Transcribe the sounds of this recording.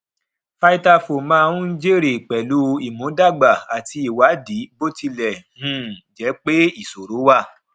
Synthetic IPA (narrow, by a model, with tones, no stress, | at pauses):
fa˧i˦ta˧fo˨mã˦˧˦ũ˦n˦d͡ʒe˦˨ɾe˨k͡pɛ˨lu˦i˨mũ˨˦da˦˨ɡ͡ba˨a˨ti˧˦i˨wa˨˦di˨˦bo˦ti˧lɛ˨hũ˦d͡ʒɛ˨˦k͡pe˦i˦˨so˨ɾo˨˦wa˦˨